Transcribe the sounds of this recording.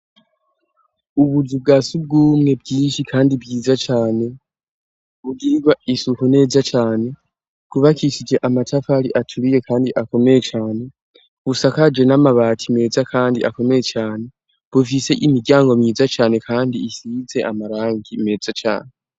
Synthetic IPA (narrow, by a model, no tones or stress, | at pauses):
uβuzub̚ɡaːsub̚ɡuːmŋe̞b̚ɡiːnʃikʰaːndibɡiːzat͡ʃaːne̞ | βuɡiɾiɡwaisuhune̞ːzat͡ʃaːne̞ | kuβakisid͡ʒe̞ʔamatʰafaɾiʔatʰuɾije̞kaːndiʔako̞me̞je̞t͡ʃaːne̞ | βusakad͡ʒe̞namaβaːtʰime̞ːzakʰaːndiʔako̞me̞je̞t͡ʃaːne̞ | βufise̞ʔimiɾɟaːŋɡomiːzat͡ʃaːne̞kʰaːndiːsize̞ʔamaɾaːŋɡime̞ːzat͡ʃa̰ːne